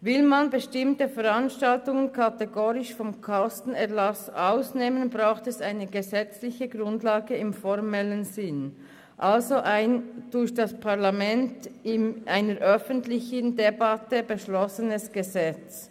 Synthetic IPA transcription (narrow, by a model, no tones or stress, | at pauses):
vɪlmanbəʃtɪmtəfɛʁanʃtaltʊŋənkʰateɡoːɾɪʃfɔmkʰɔstn̩ɛɐʁlasʔaʊsneːmənbʁaʊxtɛsaɪnəɡəzɛt͡slɪçəɡʁʊndlaːɡəɪmfɔʁmɛlənzɪn | ʔalzoʔaɪnd̥ʊɾçd̥aspʰaʁlamɛntɪnʔaɪnəɾʔœfəntlɪçəndebatəbəʃlɔsənəsɡ̥əzɛt͡s